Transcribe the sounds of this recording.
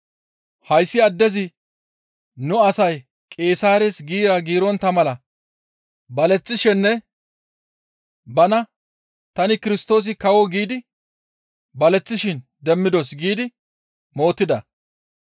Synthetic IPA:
hɐjsːɪɐd̪ːɛzɪ | nʊɐsɐj | kʼe̞ːsaːɾesɡiːɾɐɡiːɾɔnt̪ɐmɐlɐ | bɐlɛt͡sːɪʃɛnːɛ | bɐnɐ | t̪ɐnɪkɪɾɪst̪o̞ːs̬ɪkɐwɔɡiːd̪ɪ | bɐlɛt͡sːɪʃɪnd̪ɛmːɪd̪osɡiːd̪ɪ | mo̞ːt̪ːɪd̪ɐ

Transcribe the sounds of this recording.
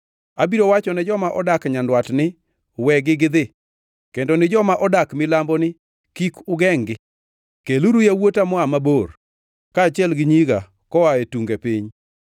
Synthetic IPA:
abiɾowat͡ʃɔnɛd͡ʒɔmaʔɔdakɲandwatnɪ | wɛɡɪɡɪd̪ɪ | kendonɪd͡ʒɔmaʔɔdakmɪlambɔnɪ | kikʊɡɛŋɡɪ | keluɾujawotamɔamabor | kat͡ʃɪɛlɡɪɲiɡa | kɔwaetuŋɡepiɲ

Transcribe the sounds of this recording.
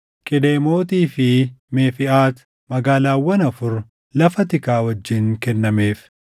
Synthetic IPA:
kʼɪd̪eːmo̞ːt̪iːfɪmeːfɪʔaːt̪ | mɐɡaːlaːwːɐnɐfʊɾ | lɐfɐt̪ɪkaːwɐd͡ʒːɪŋkɛnːɐme̞ːf

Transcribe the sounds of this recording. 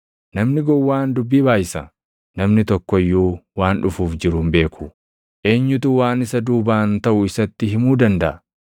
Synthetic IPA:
nɐmnɪɡɔwːaːnd̪ʊbːiːbaːjɪsɐ | nɐmnɪt̪ɔkːɔjːuːwaːnᶑʊfuːfd͡ʒɪɾuːmbe̞ːkʰʊ | ʔe̞ːɲːʊt̪uːwaːnɪsɐd̪uːbaːnt̪ɐʔʊɪsɐt̪ːɪɦɪmuːd̪ɐnd̪ɐʔɐ

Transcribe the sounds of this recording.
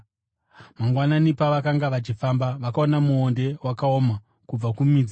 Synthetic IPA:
maŋɡwananipaʋakaŋɡaʋat͡ʃifambaʋakao̞namuo̞nde̞wakao̞ːma | kub͡vakumid͡z

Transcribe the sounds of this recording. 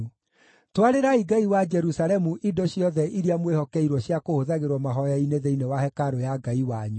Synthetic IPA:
twaɾeɾaiɡaiwad͡ʒɛɾusaɾɛmuʔidoɕjɔðɛʔiɾiamwehɔkɛiɾwɔɕjakohoðaɣeɾwɔmaɦɔjaineðeinewahɛkaɾojaɡaiwaɲu

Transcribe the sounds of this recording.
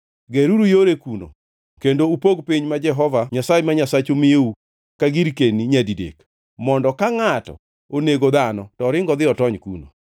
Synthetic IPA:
ɡeɾuɾujoɾekuno̰ | kendoupoɡpiɲmad͡ʒɛɦɔvaɲasaemaɲasat͡ʃomɪeu | kaɡiɾkeniɲadidḛk | mɔndɔkaŋatɔ̰ | oneɡod̪anɔtɔɾɪŋɡɔd̪ɪɔtɔɲkuno̰

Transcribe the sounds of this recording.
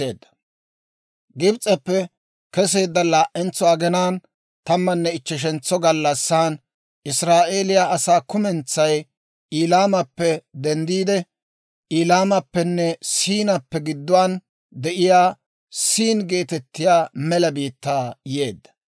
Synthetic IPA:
ḛːd̪ːɐ̥ | ɡɪbt͡sʼɛpːɛ | kɛs̬e̞ːd̪ːɐlaːʔɛnt͡sːɔɐɡɛnaːn | t̪ɐmːɐnːɛɪt͡ʃːɛʃ̬ɛnt͡sːɔɡɐlːɐsːaːn | ʔɪsɾaːʔeːlɪjaʔɐsaːkʊmɛnt͡sːɐj | iːlaːmɐpːɛd̪ɛnd̪iːd̪ɛ | ʔiːlaːmɐpːɛnːɛsiːnɐpːɛɡɪd̪ːʊwaːn | d̪ɛʔɪjaː | siːnɡe̞ːt̪ɛt̪ːɪjaːmɛlɐbiːt̪ːaːje̞ːd̪ːɐ̥

